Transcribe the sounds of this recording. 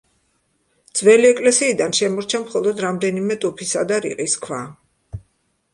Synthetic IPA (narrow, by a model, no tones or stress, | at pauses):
d̪z̥wɛliɛkʼlɛsiːd̪anʃɛmɔɾt͡ʃʰamχɔlˠɔd̪ɾamd̪ɛnimɛt̪ʼupʰisad̪aɾḭqʼiskʰva̰